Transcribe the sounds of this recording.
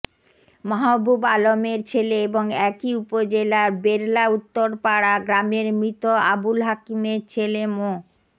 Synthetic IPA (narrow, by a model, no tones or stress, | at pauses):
maɦabʱubalomeɾt͡ɕʰeleeboŋɛkiupod͡ʑelaɾbeɾlaut̪ːoɾpaɽaɡɾameɾmɾit̪oa̰bulɦakimeɾt͡ɕʰelemo